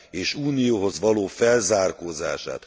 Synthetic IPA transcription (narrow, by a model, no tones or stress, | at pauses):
eːʃuːnijoːɦo̞zʋɒloːfɛlzaːrkoːza̰ːʃa̰ːt̪